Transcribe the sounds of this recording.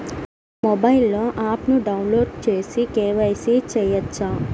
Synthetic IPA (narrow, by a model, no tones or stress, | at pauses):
mobɐjilːoʔaːpnuɖɐwnloːɖ̚t͡ʃeːsikeːʋɐjsit͡ʃɛjɐt͡ʃːa